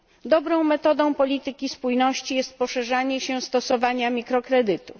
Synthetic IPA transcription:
d̪ɔbɾɔ̃w̃mɛt̪ɔd̪ɔ̃w̃pɔlʲit̪ɘkʲispujnɔɕt͡ɕijɛst̪̚pɔʂɛʐaɲɛɕɛst̪ɔsɔvaɲamʲikɾɔkɾɛd̪ɘt̪u

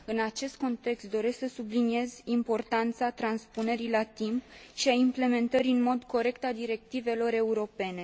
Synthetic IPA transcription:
ɨnat͡ʃe̞st̪̚ko̞nt̪e̞kst̪̚d̪o̞ɾe̞sksəsublinie̞zimpo̞rt̪ant̪sat̪ɾanspune̞ɾilat̪imp̚ʃiaimple̞me̞nt̪əɾiɨnmo̞d̪ko̞ɾe̞kt̪ad̪iɾe̞k̚t̪ive̞lo̞ɾe̞uɾo̞pe̞ne̞

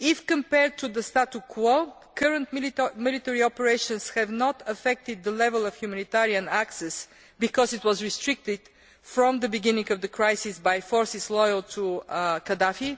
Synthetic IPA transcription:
ɪfkə̃mpɛɹd̚t̪ʰːuðəst̪at̪ukʰwo | kʰəɹə̃nt̪mɪlˠɪt̪ɛɹiɔpəɹeɪʃə̃nshɛvnɔt̪ʰəfɛk̚t̪ɪd̪̚ːəlɛvəlˠəv̥hjumanit̪ɛɹiə̃næksɛs | bɪkɔzɪt̪wɔzɹɪstɹɪk̚t̪ɪd̪̥ | fɹə̃md̪əbɪɡɪ̃nɪ̃ŋɡʌvðəkʰɹajsɪsbajfɔɹsɪslɔjəlˠt̪ʰukəd̪afi

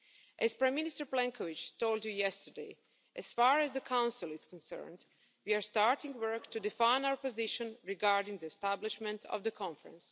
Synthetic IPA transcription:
ʔɛzpɹãɪmːɪ̃nɪstəɹplɛ̃ŋkʰɔʋɪt͡ʃtoʊldjujɛstə˞deɪ | ʔɛz̥faːɹɛzdəkʰãw̃nsɪlˠɪz̥kɔ̃nsɜ̰˞nd | wiaɹstaɹtɪ̃ŋɡwɜ˞ktudɪfãɪ̃nawəɹpɔzɪʃə̃nɹiɡaɹdɪ̃ŋd̪iɛstæblɪʃmɛ̃ntʰɔ̰vd̪əkʰɔ̃ɱfəɹə̰̃ns

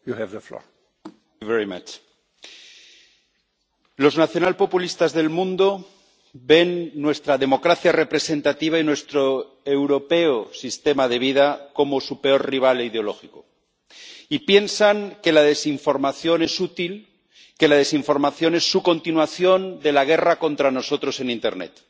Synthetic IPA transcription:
juhɛvðəflɔ̰ | vɛɾima̰t͡ʃ | lo̞znaθjo̞nalpo̞pulist̪azðe̞lmũnd̪o̞ | be̞nːwe̞st̪ɾaðe̞mo̞kɾaθjare̞pɾe̞sẽ̞nt̪at̪iβ̞ainwe̞st̪ɾo | ewɾo̞pe̞osist̪e̞maðe̞β̞ið̞ako̞mo̞supe̞o̞rriβ̞alið̞eolo̞̰xiko | ipje̞nsaŋke̞lað̞e̞siɱfo̞ɾmaθjo̞ne̞sut̪il | ke̞lað̞e̞siɱfo̞ɾmaθjo̞ne̞sːuko̞nt̪inwaθjo̞nd̪e̞laɣ̞e̞rako̞nt̪ɾano̞so̞t̪ɾo̞se̞nĩnt̪e̞̰ɾnḛt̪

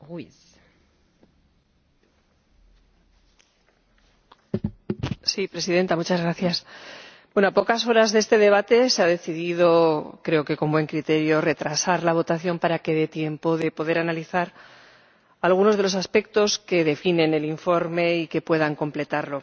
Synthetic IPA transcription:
ɣwiθ | sipɾe̞siðe̞nt̪amut͡ʃazɣɾaθjasbwe̞noapo̞kaso̞ɾazðest̪e̞ðe̞β̞at̪e̞seaðe̞θiðiðo̞kɾe̞o̞ke̞ko̞mbwe̞ŋkɾit̪e̞ɾjo̞re̞t̪ɾasaɾlaβ̞o̞t̪aθjo̞mpaɾake̞ðe̞t̪je̞mpo̞ðe̞po̞ðe̞ɾanaliθaɾ | alɣuno̞zð̞e̞lo̞saspe̞k̚t̪o̞ske̞ðe̞fine̞ne̞liɱfo̞ɾme̞ike̞pwe̞ðaŋko̞mple̞t̪aɾlo̞

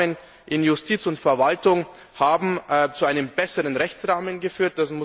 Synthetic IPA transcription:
ən | ʔɪnjʊstʰiːt͡sʊntfɛɐvaltʊŋ | haːbm̩t͡suaɪnəmbɛsəʁənʁɛçt͡sʁaːmənɡəfyːɐt̚d̥asmʊ

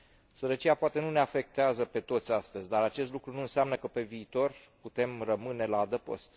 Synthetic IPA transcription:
səɾət͡ʃijapoat̪e̞nuneafe̞k̚t̪eazəpe̞t̪o̞t̪sʲast̪əzʲd̪aɾat͡ʃest̪lukɾunuɨnsamnəkəpe̞viːt̪o̞rput̪e̞mrəmɨne̞laːd̪əpo̞̰st̪

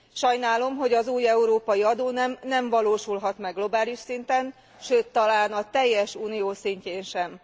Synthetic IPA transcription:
ʃɒjnaːlo̞mɦo̞ɟɒzuːjɛuɾoːpɒjiɒd̪oːnɛmnɛɱvɒloːʃulɦɒt̪mɛɡlo̞baːliʃsint̪ɛn | ʃøːt̪ːɒlaːnɒt̪ɛjːɛʃuːnijoːsiɲceːnʃɛm

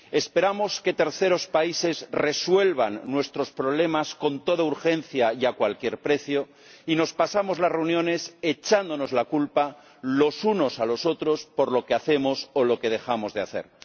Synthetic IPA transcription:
e̞spe̞ɾamo̞ske̞t̪e̞ɾθe̞ɾo̞spaise̞zre̞swe̞lβanːwe̞st̪ɾo̞spɾo̞β̞le̞masko̞nt̪o̞ð̞auɾxe̞n̟θjajakwalkje̞ɾpɾe̞θjo | ino̞spasamo̞zlasre̞unjõ̞ne̞set͡ʃand̪ono̞zlakulpa | lo̞suno̞salo̞so̞t̪ɾo̞spo̞ɾlo̞keaθe̞mo̞solo̞ke̞ð̞e̞xamo̞zðeaθe̞̰ɾ

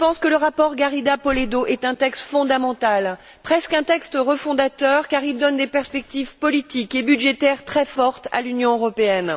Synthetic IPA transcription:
pɑ̃skələʁapɔʁɡaʁid̪apɔled̪oʔɛt̪ɛ̃t̪ɛkst̪fɔ̃d̪amɑ̃t̪al | pχɛskɛ̃t̪ɛkst̪ʁəfɔ̃d̪at̪œʁkaʁild̪ɔnd̪epɛʁspɛk̚t̪ivpɔlit̪ikebyd̪ʒet̪ɛʁt̪χɛfɔʁt̪a̰lynjɔ̃øʁɔpeɛn

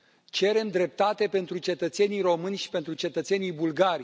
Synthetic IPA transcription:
t͡ʃe̞ɾe̞md̪ɾe̞p̚t̪at̪e̞pe̞nt̪ɾut͡ʃe̞t̪ət̪se̞nijro̞mɨnʲʃi̥pe̞nt̪ɾut͡ʃe̞t̪ət̪se̞nijbulɡaɾʲ

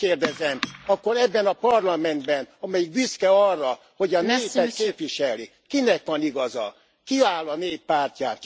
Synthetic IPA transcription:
eːrd̪ɛzɛmɒkːo̞ɾɛbːɛnɒpɒrlɒmɛnd̪bɛnɒmɛjikbiskɛɒrːɒ | ho̞ɟɒneːpɛt̪keːpʋiʃɛli | kinɛkʋɒniɡɒzɒ̰ | kiaːlɒneːppaːrcaːn

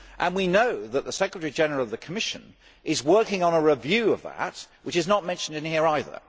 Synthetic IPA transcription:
ʔə̃nwinoʊðət̪̚ðəsɛkɹətəɹid͡ʒɛnə˞l̩ˠʌvðɨkʰəmɪʃɨ̰̃n | ʔɪzwɜ˞kɪ̃ŋə̃nəɹɪvjʉʌvðə̰t̚wɨt͡ʃɨznət̚mɛ̃nʃn̩dɨ̃nhiɹaɪðə̰˞

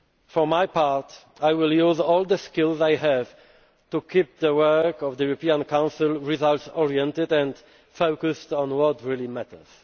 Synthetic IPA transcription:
fɔmajpaɹt | ajwɪljuzɔld̪əskɪlzajhɛv | tukʰip̚ðəwɜ˞kɔvdəjuɹɔpiãnkʰãw̃nsɪlɹizaltsɔɹiɛ̃ntɪdɛ̃nd | foʊkɨstɔ̃nwɔtɹilimætʰə̰˞z̥

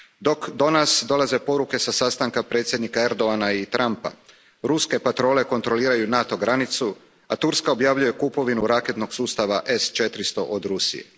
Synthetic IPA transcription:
d̪o̞kd̪o̞nasd̪o̞laze̞po̞ɾuke̞sasast̪aŋkapɾe̞ːt̪sʲjed̪nikaeɾd̪o̞anait̪ɾʔampa̰ | ɾuske̞pat̪ɾo̞ːle̞ko̞nt̪ɾo̞liːɾajunat̪o̞ɡɾanit̪su | at̪uɾskao̞bjaʋʎuje̞kupo̞ʋinuɾake̞t̪noɡsuːst̪aʋaʔest͡ʃet̪ɾist̪o̞ʔod̪ɾusḭjḛ

